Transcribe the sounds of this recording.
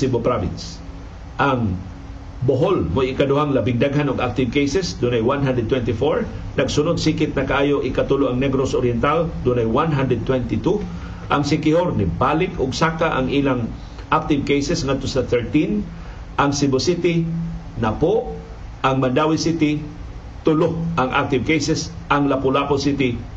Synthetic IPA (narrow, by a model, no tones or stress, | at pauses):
sibopɾavɪ̰ns | ʔaŋ | boɦolmojɪkad̪ʊhaŋlabɪŋd̪aɡɦanʊɡak̚t̪ɪvkejsɛsd̪ʊnajwanɦand̪ɾɛd̪̚t̪ːwɛnt̪ifoɹnɐɡsʊnʊd̪̚sikɪt̪̚nɐkaʔaːjoʔɪkat̪uloʔaŋnɛɡɾosʔoɾjɛnt̪ald̪ʊnajwanɦand̪ɾɛd̪̚t̪wɛnt̪ɪt̪u | ʔɐŋsɪkɪhoɾnɪbaːlɪkʰʊɡsakaʔa̰ŋʔiːlaŋ | ʔak̚t̪ɪvkejsɛsŋad̪t̪osaθɛɹt̪in | ʔaŋsɪbosit̪ɪ | nɐpoʔ | ʔaŋmɐnd̪aːwisit̪ɪ | t̪ʊloʔɐŋʔa̰k̚t̪ɪvkejsɛsʔaŋlapʊlaposit̪ɪ